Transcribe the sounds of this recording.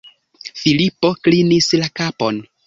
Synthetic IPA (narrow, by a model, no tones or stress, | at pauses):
filipo̞klinislakapon